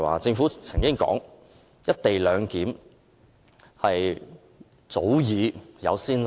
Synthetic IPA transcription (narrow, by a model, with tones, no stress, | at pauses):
wa̰ː˨t͡sɪ˧ŋfuː˨˥t͡sʰɐ˨˩ŋkɪ˥ŋkɔ̰ː˨˥ŋ | jɐ˥t̚t̪e˨jlœː˨˧ŋkiː˨˥m | hɐ˨j | t͡so˨˥wjiː˨˧jɐ̰˨˧wsiː˥n